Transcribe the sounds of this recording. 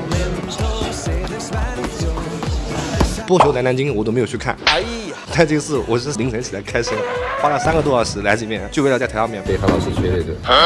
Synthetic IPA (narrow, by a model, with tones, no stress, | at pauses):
pɔ˥t͡ɕʰjo˧˥t̪a˧˥na˧˥nt͡ɕi˥ŋ˥˩wɔ˨˩to˥m˧˥jt͡ɕʰkʰa̰˥˩na˧˥˩ | t̪a˥˧t͡ɕə˥˧ʂɻ̩˥˩wʔɔ˨˩t͡ɕə˥ʂli˧˥ŋʂʰə˧˥ŋt͡ɕʰi˨˩a˧˥kʰa˥ɪʂə˥ŋxwa˥lɑ˥˩sa˥nɡə˨t̪wɔ˥ɑ˥˩ʂɻ̩˧˥la˧˥ɪt͡ɕmjɛ˥˩nt͡ɕjʊwt̪ʰje˥˩˥ɑ˥˧˩ʂʰə˥˩t͡ɕʰɛ˥˧le˥˧˩d̪ə˧˩ə˥